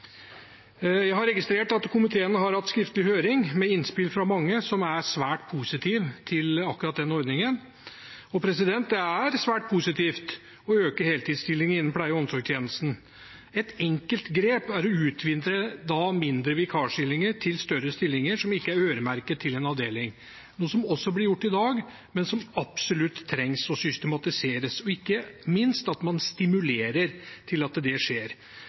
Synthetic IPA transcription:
jæɪhɑɾɛɡɪst̪ɾeːʈɑt̪kʰʊmɪt̪ʰeːənəɦɑɾhɑt̪ːskɾɪft̪əlɪhøːɾɪŋmɛɪnspɪlfɾɑmɑŋːəsɔmæɾsʋæːʈpʰusɪt̪ʰiːʋt̪ʰɪlɑkːʉɾɑt̪̚d̪ɛnːɔɾd̪nɪŋən | ɔpʰɾɛsɪd̪ɛnt̪̚d̪ɛæɾsʋæːʈ̚pʰusɪt̪ʰiːft̪ | ɔøːkəɾheːlt̪iːd̪st̪ɪlːɪŋɪnːənpʰlæɪəɔmsɔɡt̪ʰjeːnəlst̪n̩ | ɛt̪ɛŋkəlt̪ɡɾeːpæɾɔʉːt̪ʰʋɪnd̪ɾəd̪ɑmɪnd̪ɾəʋɪkʰɑːʂɪlːɪŋəʈʰɪlst̪œɾəst̪ɪlːɪŋəʂɔmɪkːəæɾøːɾəmæɾkət̪ʰːɪlɛnɑʋd̪eːlɪŋ | nuːəsɔmɔsːɔblɪɾjʊʈːɪd̪ɑːɡ | mɛnsɔmɑpsɔlʉt̪ʰːɾɛŋsɔsʏst̪əmɑt̪ɪseːɾəsɔɪkːəmɪnst̪ɑt̪mɑnst̪ɪmʉleːɾəɾt̪ʰɪlɑt̪̚d̪ɛʂeːɾ

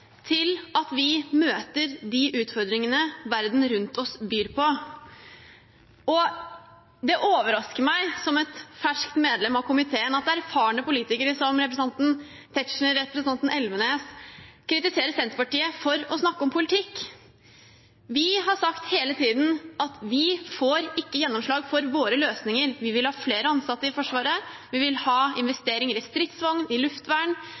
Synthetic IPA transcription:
t̪ʰɪlɑt̪ʋɪmøːt̪əɾd̪ɪʔʉːt̪fɔɾd̪ɾɪŋənəʋæɾd̪n̩ɾʉnt̪ʰɔsbyːɾpʰɔ | ɔ | d̪ɛʔoːʋəɾɑskəɾmæɪsɔmɛt̪fæʂkt̪meːd̪lɛmɑʋkʰʊmɪt̪ʰeːənɑt̪̚d̪ɛæɾfɑːɳəpʊliːt̪ɪkəɾəsɔmɾɛpɾɛsəɑnt̪n̩ | t̪ʰɛt̪ʃn̩əɾɛpɾəsənʰɑnt̪n̩ʔɛlʋəneːskʰɾɪt̪ɪseːɾəsɛnt̪ɾpɑʈiːəfɔɾɔsnɑkːəɔmpʰʊlɪt̪ʰɪkː | ʋɪɦɑʂɑkt̪heːlət̪ʰiːd̪nɑt̪ʋɪfoːɾɪkːəjɛnːɔmʂɭɑːɡfɔɾʋoːɾəløːsnɪŋəɾʋɪʋɪlhɑːfleːɾəɑnsɑt̪ːəɪfɔʂʋɑːɾəʋɪʋɪlhɑːɪnʋɛst̪eːɾɪŋəɾɪst̪ɾɪt̪sʋɑŋnɪlʉft̪ʋæːɳ

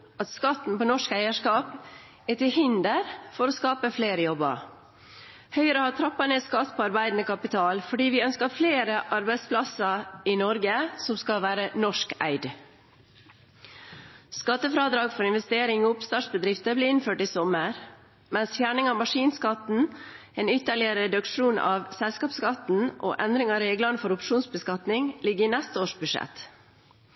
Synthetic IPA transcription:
ʔɑt̪skɑt̪n̩poːnɔʂkæɪəʂkɑːp | æt̪ɪhɪnd̪əɾfɔɾoːskɑːpəfleːɾəjɔbɑ̰ | hœʏəɾəhɑːt̪ʰɾɑpːɑneːskɑt̪ːpʰoɑɾbæɪd̪n̩əkʰɑpɪt̪ʰɑːlfɔɖiːʋɪœnskəfleːɾəʔɑɾbæɪspʰlɑsəɪnɔɾɡəsɔmskɑlʋæːɾənɔʂkæ̰ɪd̪ | skɑt̪ːəfɾɑːd̪ɾɑːɡfɔɾɪnʋɛst̪eːɾɪŋoːʊpst̪ɑːʈsbəd̪ɾɪft̪əbliːɪnføːʈiːsɔməɾ | mɛnsfjæːɳɪŋɑːmɑʂiːnskɑt̪n̩ | eːnʏt̪ːəɭɪəɾɛd̪ʉkʂuːnɑ̰ːʋsɛlskɑːpskɑt̪n̩ʔo̰ːʔɛnd̪ɾɪŋɑɾeːɡləɳəfɔɾʊpʂuːnsbəskɑt̪nɪŋlɪɡəɾinɛst̪əoːʂbʉʂɛ̰t̪

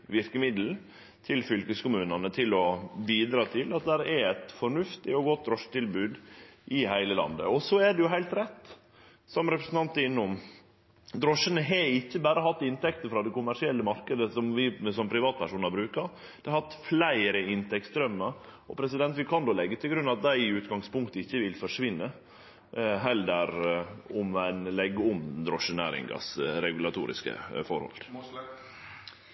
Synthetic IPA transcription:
ʋɪɾkəmɪd̪l̩ | t̪ʰɪlfʏlkəskʊmʉːnənət̪ʰɪlɔbiːd̪ɾɑːt̪ʰɪlɑt̪̚d̪æɾɛɾɛt̪fɔɳʉft̪ɪɔɡɔt̪̚d̪ɾɔʂːt̪ɪlbʉːd̪ʔɪhæɪləlɑ̰nd̪ə̰ɔsɔæɖ̪ɛjʊɦæɪlt̪ɾɛt̪ː | sɔmɾɛpɾəsn̩t̪ɑnt̪ːəɪnːʊm | d̪ɾɔʂənəɦɛɪçːəbæːɾəɦɑt̪ːɪnt̪ɛkt̪əfɾɑd̪ɛkʊmæʂɪɛlːəmɑɾkəd̪əsɔmʋɪsɔmpʰɾɪʋɑːt̪̚pʰæʂuːnɑbɾʉːkəɾ | d̪̥ɛhɑt̪ːflæɪɾəɪnt̪ʰɛktsd̪ɾœmːəɾ | ɔ̰pʰɾɛsɪd̪ɛnt̪ʋɪkʰɑnd̪oːlɛɡːət̪ʰɪlɡɾʉnːɑt̪̚d̪æɪɪʉːt̪ɡɑŋspʊŋkt̪əɪçːəʋɪlfɔʂʋɪnːə | ɦɛləɾɔmæɪnlɛɡːəʊmd̪ɾɔʂːənæ̰ːɾɪ̰ŋɡɑ̰sɾɛɡʉlɑt̪ʰṵːɾɪ̰skə̰fɔɾhɔ̰l

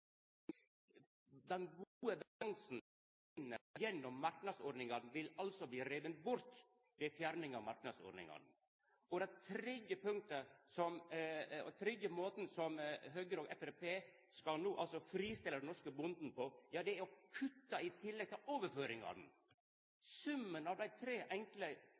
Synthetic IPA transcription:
d̪ɛnɡuuːəbɛlɑŋsn̩ | ɪnːəjɛnːɔmːɑɾknɑd̪soɖnɪŋɑd̪nʋɪlɑlsɔbliːɾɛʋənt̪bʊɾt̪ | ʋɛfjæɾnɪŋɑʋmɑɾk̚nɑd̪so̰ːɾnɪ̰ŋɑ̰d̪n̩ | ɔd̪ɛnt̪ʰɾɛd̪jəpʰʉŋ̚t̪əsɔmɔ̰t̪ʰɾɛd̪jəmoːt̪n̩sɔmɦøːɡəɾoːɡɛfɛpeː | skɑlnuːʔɑlsɔfɾiːst̪ɪlːəd̪ɛnɔʂkəbʊnd̪n̩pɔjɑːd̪ɛæɾɔkʰʉt̪ːɑɪt̪ʰɪlːɛɡ̚t̪ʰɪlʔoːʋəɾføːɾɪŋɑ̰d̪n̩ | sʉmːənɑʋd̪æɪt̪ʰɾeːʔɛŋklə

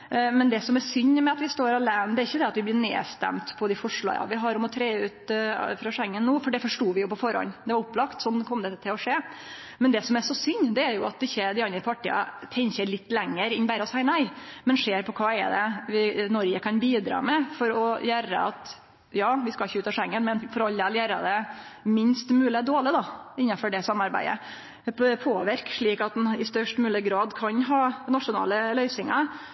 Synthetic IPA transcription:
mɛnd̪ɛsɔmɛɾsʏɲːmɛɑt̪ʋɪst̪oːɾɑlæːnd̪ɛæɾɪçːəd̪ɛɑt̪ʋɪblɪnḛːst̪æ̰mt̪pʰɔd̪ɪfɔʂɭɑ̰ɪɑ̰ʋɪɦɑɾɔmɔt̪ʰɾeːʉːt̪fɾɑʂɛŋːənːuːfɔɖɛfɔʂʈuːʋɪjʊpɔfɔɾhɔ̰nːd̪ɛʋɑɾʊpːlɑkt̪sɔnːkʰɔmd̪ɛt̪ʰɪlɔʂeː | mɛnd̪ɛsɔmæʂɔsʏɲːd̪ɛæɾjʊɑt̪̚ɪçːəd̪ɪɑnd̪ɾəpʰɑʈːḭːɑ̰t̪ʰɛŋçəɾlɪt̪ːlɛŋːəɾɪnbæɾəɔsæɪnæɪmɛnʂeːɾpʰɔkʰɑːɛ̰d̪ɛ̰ʋɪnɔɾɡəkʰɑnbiːd̪ɾɑ̰ːmɛfɔɾɔjæːɾə̰ɑ̰t̪ | jɑːʋɪskɑɪçːəʉːt̪ɑʂɛŋːənmɛnfɔɾɑlːəæljæːɾə̰d̪ɛmɪnst̪mʉːlɪd̪oːlɪd̪ɑɪnːɑfɔɖɛsɑmːɑɾbæ̰ɪə̰ | pʰoːʋɪɾkʂɭiːkɑt̪̚d̪nɪst̪œʂʈmʉːlɪəɡɾɑːd̪kʰɑnɦɑːnɑtʂʊnɑ̰ːləlœʏsɪŋɑ

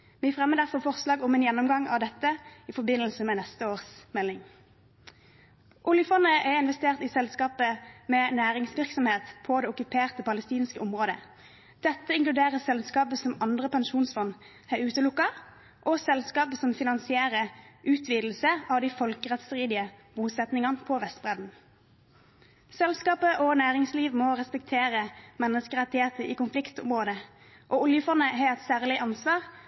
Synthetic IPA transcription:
ʋifʁɛmːəd̪æʁfɔʁfɔʁslɑːɡɔmɛːnjɛnːɔmɡɑŋɑʋd̪ɛt̪ːəɪfɔbɪnːəlsəmɛnɛst̪əoːʁsmɛlːɪŋ | ʔʊljəfɔnəʔɛɪnʋɛst̪eːʁt̪ɪsɛlskɑːpəmɛnæːʁɪŋsʋɪʁksɔmheːt̪pʰɔd̪ɛʊkʉpʰeːʁt̪əpɑləst̪iːnskəɔmʁoːd̪ə̰ | d̪̥ɛt̪ːəɪŋklʉd̪eːʁəsɛlskɑːpəsɔmɑnd̪ʁəpɛnʃuːnsfɔn | hæʉːt̪əlʊkːɑ | ʔɔsɛlskɑːpəsɔmfɪnɑnsɪeːʁəʔʉːt̪ʰʋiːd̪l̩səʔɑʋd̪ɪfɔlkəʁɛt̪sʁiːd̪ɪəbuːsɛt̪nɪŋɑnpʰɔʋɛst̪̚bʁɛd̪n̩ | sɛlskɑːpəʔɔnæːʁɪŋsliːʋmɔʁɛspɛk̚t̪ʰeːʁəmɛnːəskəʁɑt̪ɪheːt̪əʔiːkʊnflɪkt̪ʊ̰mʁoːd̪ə | ʔɔʊljəfɔnːəɦæːɛt̪sæːʁlɪʔɑnsʋɑːʁ

